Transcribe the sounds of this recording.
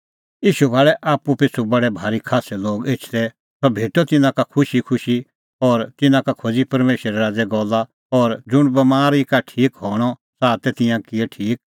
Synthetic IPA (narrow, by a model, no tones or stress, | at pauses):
jiːʃubʱaːɭɛʔaːpupɪsʰubɐɽɛbʱaːɾikʰaːsɛloːɡeːt͡ʃʰt̪ɛ | sɔbʱeːʈɔt̪ɪnãkakʰʊʃikʰʊʃi | ɔːɾt̪ɪnãkakʰoːd͡zipɐɾmeːʃəɾɛɾaːd͡zɛɡɔlːa | ɔːɾd͡zʊɽ̃bɐmaːɾikaʈʰiːkɦɔːɽ̃ɔsaːt̪ɛt̪ɪ̃jãkɪɛʈʰiːk̚